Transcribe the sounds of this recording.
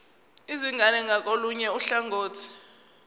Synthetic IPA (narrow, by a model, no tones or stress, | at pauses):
iziŋʱanɛŋʱak̬ʼoluɲɛuɬaŋɡoːtʰi̥